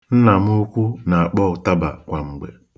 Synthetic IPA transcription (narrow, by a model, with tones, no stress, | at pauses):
n̩˦na˨m˦u˦kʷu˦na˨a˨k͡pɔ˦ʊ˨ta˦ba̰˨kʷa˨ŋ͡m̩˨ɡ͡bḛ˨